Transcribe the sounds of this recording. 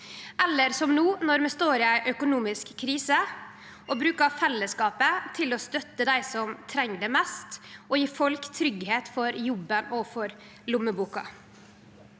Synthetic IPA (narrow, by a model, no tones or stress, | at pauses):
ɛlːəɾsɔmnuːnɔɾmɛst̪oːɾɪæɪʔœkʊnuːmɪskkʰːɾiːsə | ʔɔbɾʉːkɑfɛlːəskɑːpət̪ʰɪlɔst̪œt̪ːəd̪æɪsɔmt̪ʰɾɛŋːd̪ɛmɛst̪ʔɔjiːfɔlkt̪ʰɾʏɡheːt̪fɔɾjʊbːənɔfɔɾ | lʊmːəbuːkɑ̰